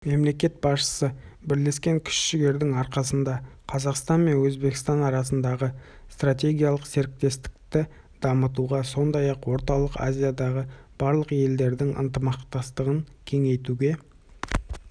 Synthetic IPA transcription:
me̞mle̞kʲe̞t̪̚bɑsʃə̥səbɪɾle̞skʲe̞ŋkʲʰʏ̥ʃʃɪɡʲe̞ɾd̪ɪŋɑɾqɑsənd̪ɑqʰɑzɑqst̪ɑnme̞nwɵzbekʲɪ̥st̪ɑnɑɾɑsənd̪ɑʁə | st̪rat̪ʲe̞ɡʲijalˠəqse̞ɾɪk̚t̪e̞st̪ɪ̥kt̪ɪ | d̪̥ɑmət̪̬uʁɑso̞nd̪ɑjɑqwo̞ɾt̪ɑlˠəqa̰zʲijad̪ɑʁəb̥ɑɾlˠəqje̞ld̪e̞ɾd̪ɪŋə̰nt̪əmɑqt̪ɑst̪əʁəŋkʲʰe̞ŋe̞jt̪uɡʲe̞

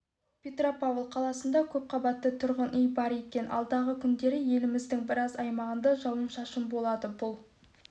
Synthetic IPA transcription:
pʲe̞t̪ropavlˠqʰɑlˠɑsənd̪ɑkʲʰɵp̚qʰɑbɑt̪ːət̪ʰʊɾʁənʔʏjbɑɾe̞kʲe̞nɑ̰lˠd̪ɑʁəkʲʰʏnd̪e̞ɾɪje̞lɪmɪzd̪ɪŋbɪɾɑzɑjmɑʁənd̪ɑʒɑwəmʃɑʃəmbo̞lˠɑd̪əbʊlˠ

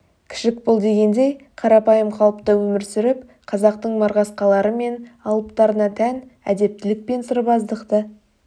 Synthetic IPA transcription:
kʲʰɪ̥ʃɪk̚bʊlˠd̪e̞ɡʲe̞nd̪e̞jqʰɑɾɑpɑjəmqʰɑlˠəpt̪əwɵmɪɾsʏɾɪp̚ | qʰɑzɑqt̪əɴmɑɾʁɑsqɑlˠɑɾəme̞nɑlˠəpt̪ɑɾənɑt̪ʰænæd̪e̞p̚t̪ɪlɪk̚pe̞nsəɾbɑzd̪əqt̪ə

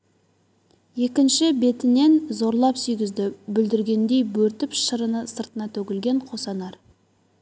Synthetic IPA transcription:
je̞kʲɪnʃɪbe̞t̪ɪne̞nzo̞ɾlˠɑpsʏjɡʲɪzd̪ɪbʏld̪ɪɾɡʲe̞nd̪e̞jbɵɾt̪ɪpʃəɾənəsəɾt̪ənɑt̪ʰɵɡʲɪlɡʲe̞ɴqʰo̞sɑnɑɾ

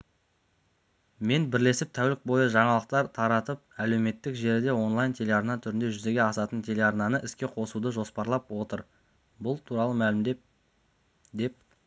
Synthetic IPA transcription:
me̞nbɪɾle̞sɪp̚t̪ʰæwlɪk̚bo̞jəʒɑɴɑlˠəq̚t̪ɑɾt̪ʰɑɾɑt̪əp̚æle̞wme̞t̪ːɪkʒe̞ɾɪd̪e̞wo̞nlˠajnt̪ʲʰe̞lʲe̞ɑɾnɑt̪ʰʏɾɪnd̪eʒʏze̞ɡʲe̞ɑsɑt̪ənt̪ʰe̞le̞ɑɾnɑnəʔɪskʲe̞qʰo̞sud̪əʒo̞spɑɾlˠɑpwo̞t̪əɾ | bʊlˠt̪ʰuɾɑlˠəmælɪmd̪e̞p̚ | d̪e̞p̚

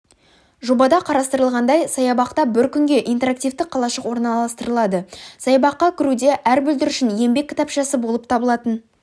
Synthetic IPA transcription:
ʒobɑd̪ɑqʰɑɾɑst̪əɾəlˠʁɑnd̪ɑjsɑjɑbɑqt̪ɑbɪɾkʲʰʏŋɡʲe̞ʔijnt̪e̞ɾak̚t̪ivt̪ɪqʰːɑlˠɑʃəqwo̞ɾnɑlˠɑst̪əɾəlˠɑd̪əsɑjɑbɑqːɑkʲʰɪɾud̪e̞ʔæɾbʏld̪ɪɾʏʃɪnje̞mbe̞kʲʰːɪ̥t̪ɑpʃɑsəbolˠəp̚t̪ʰɑbəlˠɑt̪ən

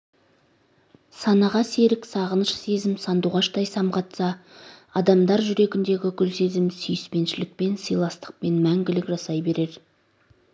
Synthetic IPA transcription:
sɑnɑʁɑse̞ɾɪksɑʁənʃse̞zɪmsɑnd̪uʁɑʃt̪ɑjsɑmqɑt̪sɑɑd̪ɑmd̪ɑɾʒʏɾe̞ɡʲɪnd̪e̞ɡʲɪkʲʰʏlse̞zɪmsʏjɪspe̞nʃɪlɪk̚pe̞nsijlˠɑst̪ə̥q̚pe̞nmæŋɡʲɪlɪkʒɑsɑjbe̞ɾe̞ɾ

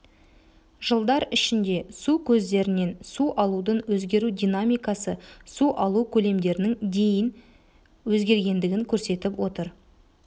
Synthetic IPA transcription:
ʒ̥əlˠd̪ɑɾɪʃɪnd̪e̞sukʲʰɵzd̪e̞ɾɪne̞nsuʔɑlˠud̪ənwɵzɡʲe̞ɾud̪ʲijnamʲijkɑsəsuʔɑlˠukʲʰɵle̞md̪e̞ɾɪnɪŋd̪e̞jɪn | wɵzɡʲe̞ɾɡʲe̞nd̪ɪɡʲɪŋkʲʰɵɾse̞t̪ɪpwo̞t̪əɾ

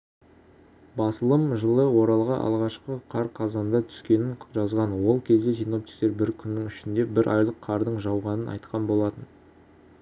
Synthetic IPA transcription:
bɑsəlˠəmʒəlˠəwo̞ɾɑlˠʁɑʔɑ̰lˠʁɑʃqəqʰɑɾqʰɑzɑnd̪ɑt̪ʰʏ̥skʲe̞nɪnʒɑzʁɑnwo̞lˠkʲʰe̞zd̪e̞sijno̞p̚t̪i̥k̚t̪e̞ɾbɪɾkʲʰʏnːɪŋʏʃɪnd̪e̞bɪɾʔɑ̰jlˠəqʰːɑɾd̪əɴʒɑwʁɑnənʔɑ̰jt̪̚qʰɑnbo̞lˠɑt̪ən

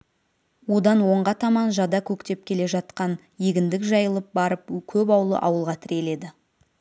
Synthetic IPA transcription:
wo̞d̪ɑnwo̞ɴʁɑt̪ʰɑmɑnʒɑd̪ɑkʲʰɵkt̪e̞p̚kʲʰe̞le̞ʒɑt̪qɑn | jeɡʲɪnd̪ɪkʒɑjəlˠəp̚bɑɾəp̚kʲʰɵp̬ɑwəlˠə̰ʔɑ̰wəlˠʁɑt̪ʰɪɾʲe̞le̞d̪ɪ

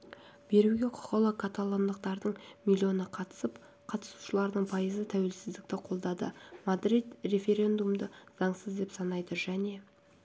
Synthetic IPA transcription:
b̥e̞ɾuɡʲe̞qʰʊ̥ʁəlˠəkʰat̪alˠo̞nd̪əq̚t̪ɑɾd̪əɴmʲilʲˠːio̞nəqʰɑt̪ə̥səp | qʰɑt̪ə̥su̥ʃəlˠɑɾd̪əɴpʰɑjəzət̪ʰæwe̞lsɪzd̪ɪk̚t̪ɪqʰo̞lˠd̪ɑd̪ə̰mad̪ɾit̪re̞fʲe̞ɾʲe̞nd̪umd̪əzɑɴsəzd̪e̞psɑnɑjd̪əʒæne̞

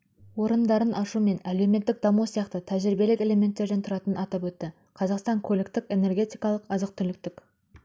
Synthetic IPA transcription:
wo̞ɾənd̪ɑɾənʔɑʃume̞næle̞me̞t̪ːɪk̚d̪ɑmusijɑqt̪ət̪ʰæʒɾibe̞lɪkʲe̞le̞me̞nt̪ːe̞ɾd̪ent̪ʰʊɾɑt̪ənɑt̪ɑpwɵt̪ːɪ | qʰɑzɑqst̪ɑŋkʰolekt̪ɪke̞ne̞rɡʲe̞t̪ijkɑlˠəqɑzəq̚t̪ʰʏɾlɪk̚t̪ɪkʲ

